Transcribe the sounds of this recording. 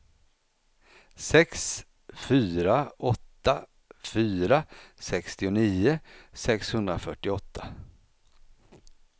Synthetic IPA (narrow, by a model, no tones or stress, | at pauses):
sɛks | fyːɾaɔt̪ːa | fyːɾasɛkst̪ɪʊniːʊsɛkshɵnd̪ɾafœʈːɪɔt̪ʰːa